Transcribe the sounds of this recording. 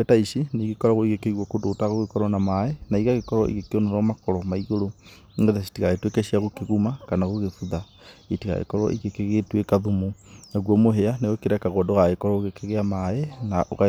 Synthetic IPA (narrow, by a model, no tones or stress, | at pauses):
etaiʃiniɣikɔɾaɣoiɣekeiɣwɔkodotaɣoɣekɔɾɔnamaenaiɣaɣekɔɾɔḭɣekeonoɾɔmakɔɾɔmaiɣoɾo | ŋɡetasi̥tiɣaetwekɛʃiaɣokeɣumakanaɣoɣefuða | itiɣa̰ɣḛkɔɾɔ̰ʔḭɣekeɣetwekaðumonaɣwɔmoɦeaneɣokeɾakaɣɔdoɣaɣekɔɾɔɣekeɣeamaenaʔo̰ɣa